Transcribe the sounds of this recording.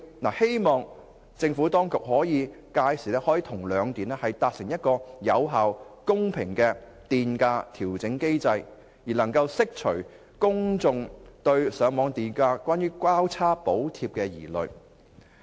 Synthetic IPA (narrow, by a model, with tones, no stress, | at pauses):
na̰ː˨˩he˥jmɔː˨ŋ | t͡sɪ˧ŋfuː˨˥t̪ɔː˥ŋkʊ˨k̚hɔː˨˥jiː˨˧ | kaː˧jsiː˨˩lɛː˥hɔː˨˥jiː˧t̪ʰʊ˨˩ŋlœː˨˧ŋt̪iː˨˩nɛ˥hɐ˨jt̪aː˨˧k̚sɪ˨˩ŋjɐ˥t̚kɔː˧jɐ˨˧wɦaː˨wkʊ˥ŋpʰɪ˨˩ŋkɛː˧ | t̪iː˨nkaː˧t̪ʰiː˨˩wt͡sɪ˨˥ŋke˥jt͡sɐ˧j | jiː˨˩lɐ˨˩ŋkɐ˧wsɪ˥k̚t͡ʃʰɵ˨˩ɥ | kʊ˥ŋt͡sʊ˧ŋt̪ɵ˧ɥsœː˨˧ŋmɔː˨˧ŋt̪iː˨˩nkaː˧kwʷaː˥njyː˥kʷaː˥wt͡sʰaː˥po˨˥wt̪ʰiː˧p̚kɛː˧jḭː˨˩lɵ̰˨ɥ